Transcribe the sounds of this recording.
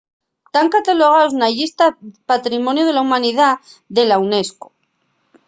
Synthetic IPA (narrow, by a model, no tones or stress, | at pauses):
t̪aŋkat̪aloɣ̞aoznaʝist̪apat̪ɾimõnjoð̞e̞laumãniðaðe̞lawne̞sko̥